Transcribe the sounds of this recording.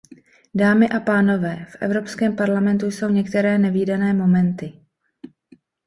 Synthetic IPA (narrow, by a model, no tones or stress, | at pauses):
daːmɪʔapaːno̞vɛːfʔɛ̰vɾo̞pskɛːmpaɾlamɛnt̪ujso̞wɲɛkt̪ɛɾɛːnɛviːdanɛːmo̞mɛnt̪ɪ